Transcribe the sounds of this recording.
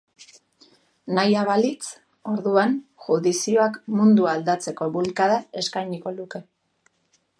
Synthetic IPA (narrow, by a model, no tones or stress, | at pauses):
najaβalit͡s | o̞ɾðuanʝuðisio̞akmund̪uald̪at͡se̞ko̞βulkaðae̞skajɲiko̞luke̞